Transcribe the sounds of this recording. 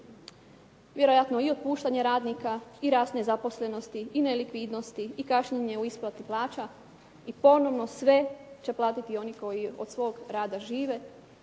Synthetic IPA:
ʋje̞ɾo̞jat̪no̞io̞d̪̚puːʃt̪aɲe̞ɾaːd̪nikaiɾaːsnezapo̞sle̞no̞st̪iːnelikʋid̪no̞st̪iːkaʃɲeɲe̞uisplˠat̪iplˠaːt͡ʃa | ipo̞no̞ʋno̞sʋe̞t͡ɕe̞plˠaːt̪it̪io̞niko̞jio̞d̪sʋo̞ːɡɾaːd̪aʒiːʋe̞

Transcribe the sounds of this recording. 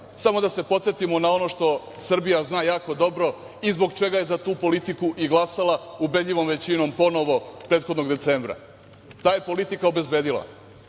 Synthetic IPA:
samo̞d̪ase̞po̞t̪set̪imo̞nao̞no̞ʃt̪o̞ | sr̩bijaznaːjaːko̞d̪o̞bɾo̞ | izbo̞ɡt͡ʃe̞ɡaje̞zat̪uːpo̞lit̪ikuʔiɡlˠasalaube̞d̪ʎʲiʋo̞mʋe̞t͡ɕino̞mpo̞no̞ʋo̞pɾeːt̪xo̞d̪no̞ɡd̪e̞t̪seːmbɾa̰ | t̪aːjepo̞lit̪ikaobe̞zbeːd̪ilˠa̰

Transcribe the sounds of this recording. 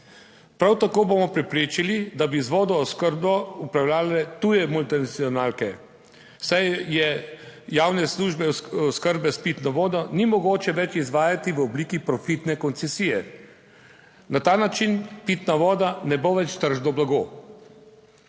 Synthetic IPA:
pɾawt̪akoːbomɔpɾɛpɾeːt͡ʃilid̪abizʋɔːd̪ɔːskəɾbɔupɾawljaːlɛt̪ujɛmult̪inat̪siɔnaːlkɛ | sajjɛjaːwnɛsluʒbɛɔskəɾbɛspit̪nɔʋɔːd̪ɔnimɔɡoːt͡ʃɛʋɛt͡ʃizʋaːjat̪iʋəɔbliːkipɾɔfit̪nɛkɔnt̪sɛsijɛ̰ | nat̪aːnat͡ʃinpit̪naʋɔːd̪anɛboʋɛt͡ʃt̪əɾʒnɔblaɡoː

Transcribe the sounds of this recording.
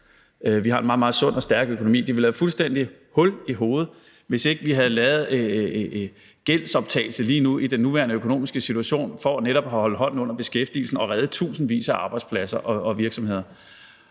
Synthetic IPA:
ʋihɑ̈e̝nmɑ̈ːmɑ̈ːð̩ˠsɔ̽n̰ɒ̽sd̥æɐɡ̥økʰonomḭːd̥iʋelæfulsd̥en̰d̥i | hɔ̽liɦo̝ːð̩ˠ | ʋe̝se̝ɡ̥əʋiɦæð̩ˠlɛːð̩ˠ | ɡ̥el̰̥sɒ̽b̥̚t͡sʰɛ̰ːɪl̩səliːnuʔid̥enːuʋæːɐnəøkʰo̝no̝̰ːmisɡ̥əsit͡sʰuæɕo̝̰ːnfɒ̽æneɾ̥ɒ̽b̥ɦɒ̽lɦɒ̽n̰n̩ɔ̽n̰ɐb̥e̝sɡ̥efd̥ḭːl̩sn̩ɒ̽ʁɛð̩ˠt͡sʰṵːsn̩ʋḭːsæʔɑ̈ːb̥ɑ̈ɪd̥spʰlæsɐʔɒ̽ɒ̽ʋiɐɡ̥sɒ̽me̝ð̰ˠɐ

